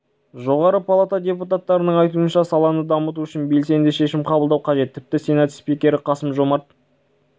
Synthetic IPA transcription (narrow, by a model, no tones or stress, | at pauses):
ʒo̞ʁɑɾəpʰalˠat̪ad̪ʲe̞put̪at̪ːɑɾənəɴɑjt̪uənʃɑsɑlˠɑnəd̪ɑmət̪uʏʃɪnbe̞lse̞nd̪ɪʃe̞ʃɪmqʰɑbəlˠd̪ɑwqʰɑʒe̞t̪ʰːɪp̚t̪ɪsenɑt̪spikʲe̞ɾɪqʰɑsəmʒo̞mɑt̪